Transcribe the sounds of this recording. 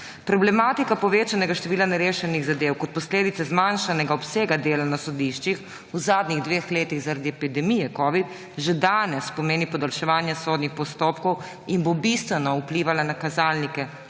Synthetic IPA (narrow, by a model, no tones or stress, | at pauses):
pɾɔblɛmaːt̪ikapɔʋeːt͡ʃanɛɡaʃt̪ɛʋiːlanɛɾeːʃɛniɣzad̪eːwkɔt̪̚pɔsleːd̪it̪sɛzmanʃanɛɡaɔpseːɡad̪eːlanasɔd̪iʃt͡ʃix | uzaːd̪niɣd̪ʋeːxleːt̪iɣzaɾad̪iɛpid̪ɛmijɛkɔːʋit̪ | ʒɛd̪aːnɛspɔmeːnipɔd̪alʃɛʋaːnjasoːd̪nixpɔst̪oːpkɔw | inbobist̪ʋɛnɔupliːʋalanakazaːlnikɛ